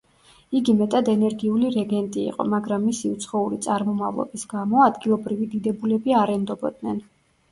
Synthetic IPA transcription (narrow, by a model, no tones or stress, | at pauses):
iɡimɛt̪ʼad̪ɛnɛɾɡiuliɾɛɡɛnt̪ʼḭːqʼɔmaɡɾamːisiut̪sʰχɔuɾit̪sʼaɾmɔmavlˠɔ̰bisɡamɔad̪ɡilˠɔbɾivid̪id̪ɛbulɛbiaɾɛnd̪ɔbɔd̪nɛn